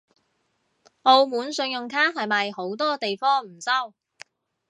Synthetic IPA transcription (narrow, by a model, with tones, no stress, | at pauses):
o˧wmuː˨˥nsɵ˧ŋjʊ˨ŋkʰaː˥ɦɐ˨jmɐ˨jho˨˥wt̪ɔː˥t̪e˨jfɔː˥ŋm̩˨˩sɐ˥w